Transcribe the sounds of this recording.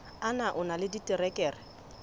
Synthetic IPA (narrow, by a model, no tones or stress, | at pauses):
anaʔʊnalɪditʼɪrɛkʼɛːrɪ